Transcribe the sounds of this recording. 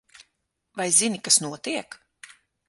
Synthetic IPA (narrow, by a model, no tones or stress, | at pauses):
vajzinikasnuɔt̪iɛk